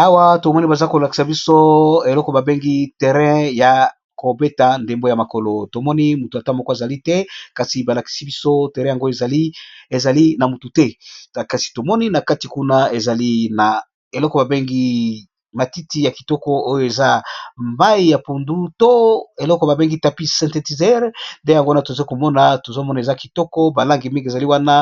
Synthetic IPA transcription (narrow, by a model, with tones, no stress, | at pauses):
a˦wa˦to˨mɔ˦ni˦ba˨za˦ko˨la˨ki̥˨sa˨bi˦so˦e˨lɔ˦kɔ˨ba˨be˦ŋɡi˦tɛ˨ʁɛ̃˦ja˨ | ko˨be˦ta˨nde˨mbo˦ja˨ma˨ko˨lo˨to˨mɔ˦ni˦mu˨tu˨a˨ta˦mo˦ko˦a˨za˨li˦tɛ˦ka˨si˨ba˨la˨ki̥˨si˦bi˦so˦te˨ʁɛ̃˦ja˨ŋɡo˦e˨za˨li˦e˨za˨li˦na˨mu˨tu˨tɛ˦˨ka˨si̥˨to˨mɔ˦ni˦na˨ka˦ti˨ku˦na˦e˨za˨li˦na˨ | e˨lɔ˦kɔ˨ba˨be˦ŋɡi˦ | ma˨ti˦ti˨˦ja˨ki̥˨tɔ˦kɔ˦o˦jo˨e˨za˦mba˦i˦ja˨po˨ndu˦to˦e˨lɔ˦kɔ˨ba˨be˦ŋɡi˦ta˨pi˦sɛ̃˨nte˨ti˨zɛ˦ʁnde˦ja˨ŋɡo˦wa˦na˨to˨za˦ko˨mɔ˦na˨to˨zo˦mɔ˦na˨e˨za˦ki˨tɔ˦kɔ˦ba˨la˦ŋɡi˨mi˦ŋɡe˨za˨li˦wa˦na˦